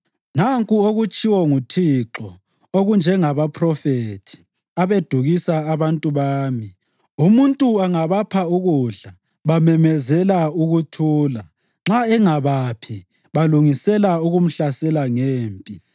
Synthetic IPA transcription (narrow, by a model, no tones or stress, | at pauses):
naŋkʼuoɣut͡ʃʼiwɔŋutʰiǁɔ | oɣund͡ʒʱɛŋaβapʰrɔfetʰi̥ | aβed̥ʱuɣisaːβantʼuβaːmi | umuntʼuaŋaβapʰauɣuɮa | βamɛmɛzɛlauɣutʰuːla | ŋ͡ǁaɛŋaβapʰi | βaluŋisɛlauɣum̩ɬasɛlaŋeːmpʼi